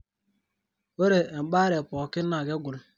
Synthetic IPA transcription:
o˦ɾe˨ŋ͡m̩˨k͡pa˦ɾe˨pɔ˨kɪ˦n˦na˨ɡe˦ɡʷʊ˨lʊ˨

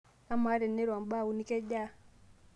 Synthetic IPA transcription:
a˦ma˨˦ɾɛ˨nːe˦ɾa˨mba˦˨u˨˦ni˦kɛ˦d͡ʒa˦˨

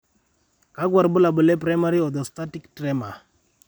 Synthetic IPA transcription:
ka˨˦ɡwa˨ɾbʊ˦la˨bʊ˨lɛ˦pɾa˦jma˦ɾi˦ɔ˨d̪ɔ˨sta˦ti˦ktɾɛ˦ma˨

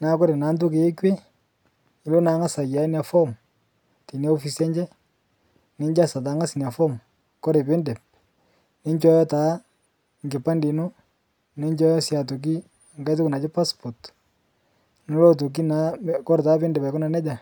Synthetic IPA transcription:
na˨˦kɔ˦ɾe˨naː˨˦nt̬ʊ˦ke˨e˦kwe˦ | ɪ˨lo˦naː˨˦ŋa˦sa˨ja˨˦nja˨fɔ˦m | te˨nia˦o˦fi˨sɛ˦ɲd͡ʒɛ˦ | nɪ˦ɲd͡ʒa˦sa˨t̬a˨˦ŋa˦snja˨fɔ˦m | kɔ˦ɾe˨pɪ˦ndɛ˨p̚ | nɪ˦ɲt͡ʃɔ˦jɔ˦taː˨˦ | ŋɡɪ˨pa˦ndi˨no˦ | nɪ˦ɲt͡ʃɔ˦jɔ˦sja˨t̬o˨k̬i˦˨ | ŋɡa˦jt̬ʊ˦ku˨na˨t͡ʃɪ˦pa˦spɔ˨t | no˦lo˦t̬o˨k̬i˦na˨˦kɔ˦ɾtaː˦pɪ˦ndɛ˨pa˨kʊ˦na˨nɛ˦d͡ʒa˨

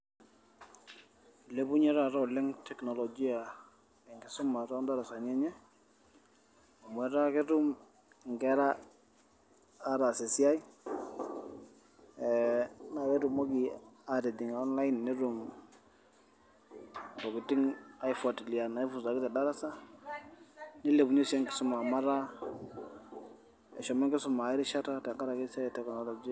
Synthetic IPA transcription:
le˦bʊ˦ɲɛ˦ɾa˨ɾɔ˦˨lɛ˦ŋtʰɛ˨knɔ˨lɔ˨d͡ʒi˦a˨ | ɛ˨ŋɡɪ˨sʊ˦ma˨ɾɔ˦nda˦ɾa˨sa˨ɲɛ˦ɲɛ˦ | a˨mwɛ˨ɾa˦kɪ˦tu˦m˨ | ŋɡɛ˦ɾa˦ | ɾa˨sɛ˨sɪ˦a˦j | ɛna˨wɛ˦ɾu˨mɔ˦ɡi˨a˨de˨di˨ŋɔ˦nla˦ji˦nːɪ˦ɾu˨m | tɔ˨kɪ˨tɪ˦ŋa˦jfɔ˨tli˨a˨na˨ɪ˦fu˨sa˨kɪ˦tɛ˨da˦ɾa˦sa˦ | nɪ˦le˨bu˨ɲi˦sɛ˦ŋkɪ̥˦sʊ˦ma˨ma˦ɾa˦ | ɛ˨ʃɔ˨mɛ˦ŋkɪ˦sʊ˨ma˨ɪ˦ɾi˦ʃa˦ta˦tɛ˨ŋka˦ɾa˨kɪ˦sa˦jtɛ˦knɔ˨lɔ˨d͡ʒi˦

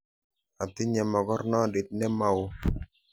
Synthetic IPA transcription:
a˨tɪ˦ɲɛ˨mɔ˨ɡɔ˦ɾnɔ˦˨dɪ˨t̚nɛ˦ma˦wo˦

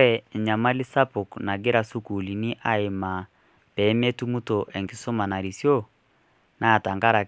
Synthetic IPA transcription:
ɛ˨ɲa˨ma˦li˦sa˦po˨kna˨ɡe˦ɾa˨su˦ku˨li˨ni˦ʔa˦e˨ma˨ | pɛ˨˦mɛ˦tu˦mu˦to˨ʔɛ˨ŋɡi˨so˦ma˨na˨ɾi˨sjɔ˦ | na˦˨ta˨ŋɡa˦ɾa˨

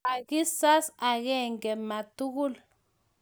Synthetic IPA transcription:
a˨ki˦sa˦sa˨kɛ˦ŋɡɛ˨ma˨tu˦k̬u˦l

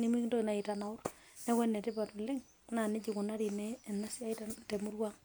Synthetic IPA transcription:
ni˨mi˦kndo˦i˨na˨ɪ˨ta˨na˨ʊ˦r | nɛ˦kwɛ˦nːɛ˨tɪ˦pa˨tu˨lɪ˦ŋ | na˨nɪ˦d͡ʒi˨kʊ˨na˦ɾi˨nɛ˨na˦sɪ˦a˦ɪ˦tatɛ˨mu˦rwa˦ŋ

